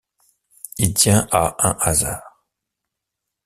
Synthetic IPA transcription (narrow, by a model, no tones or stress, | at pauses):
ilt̪jɛ̃ʔaʔɛ̃ʔazaːʁ